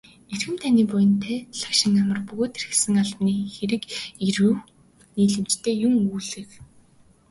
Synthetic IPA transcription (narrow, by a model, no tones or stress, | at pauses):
erxɘ̆mt̪ʰaniːpʊjɪ̆nt̪ʰeːɮḁkʃɪ̆ŋːamə̆rpɵɣoːt̪eɾɘ̆xsɘ̆ŋaɮpniːxeɾɘ̆kiɾuː | niːɮɘ̆mt͡ɕt̪ʰeːjʊŋuːɮɘ̆k